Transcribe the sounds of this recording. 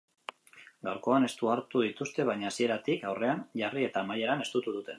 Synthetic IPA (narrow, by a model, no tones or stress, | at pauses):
ɡawɾko̞ane̞st̪uaɾt̪uðit̪ust̪e̞β̞ajɲaːsie̞ɾat̪ikawre̞anʝarie̞t̪aːmaʎe̞ɾane̞st̪ut̪uð̞ut̪e̞